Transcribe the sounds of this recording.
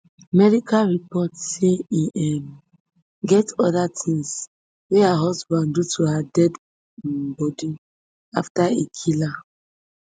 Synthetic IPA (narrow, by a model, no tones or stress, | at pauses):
amɛɹikʰaɹipɔtseiʔɛm | ɡɛtɔdatʰĩŋs | wehaɦɔsbãndutʰuhadɛd | bɔdi | aftaekʰila